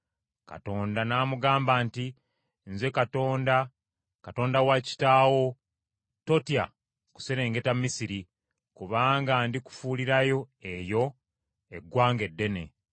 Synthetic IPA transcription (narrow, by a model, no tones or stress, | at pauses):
ka̰to̞ːndanaːmuɡaːmbaːnti | nzwekatoːnda | kato̞ːndawaci̥taːwo̞ | to̞tija̰ | ku̥seɾe̞ːŋɡe̞tamːisiɾi | kuβaːŋɡandiku̥fuːliɾajo̞e̞jo̞ | e̞ɡːwaːŋɡe̞dːe̞ne̞̰